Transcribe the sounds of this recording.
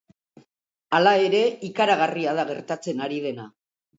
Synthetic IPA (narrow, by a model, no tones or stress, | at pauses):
alae̞ɾe̞ikaɾaɣariaðaɣ̞e̞ɾt̪at͡se̞naɾið̞e̞na